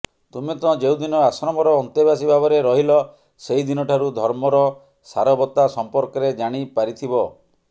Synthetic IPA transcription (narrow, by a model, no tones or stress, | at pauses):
t̪umet̪ɔ̃d͡ʒewd̪inɔasɾɔmɔɾɔːnt̪ibasibabɔɾeɾɔɦilɔ | seid̪inɔʈʰaɾud̪ʱɔɾmɔɾɔ | saɾɔbɔt̪asɔmpɔɾkɔɾed͡ʒaɽ̃ipaɾit̪ʰibɔ